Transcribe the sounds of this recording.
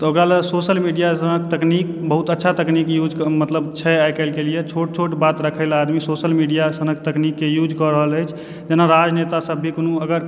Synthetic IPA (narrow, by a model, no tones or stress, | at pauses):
t̪ɔokɾalesosəlmiɖijasənək̚t̪əknikbəɦut̪ətːʃʰat̪əknikjud͡ʒkmət̪ləbt͡ʃʰɛajkəlkelijet͡ʃʰoʈ̚t͡ʃʰoʈbat̪ɾəkʰəlad̪misosəlmiɖijasənək̚t̪əknikːejud͡ʒkɔɾəɦələjt͡ʃʰ | d͡ʒenaɾad͡ʒnet̪asəbʱikonuəɡəɾ